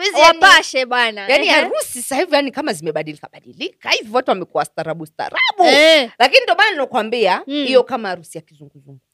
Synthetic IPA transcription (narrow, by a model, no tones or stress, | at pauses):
izanaʃɛɓwanajaniaɾusisahivijanikamazimɛɓaɗilikaɓaɗilikahiviwatuwamɛkuwastaɾaɓusta̰ɾaɓulakinindiɔmananinɔkwambiahijɔkamaaɾusijakizuŋɡuzuŋɡu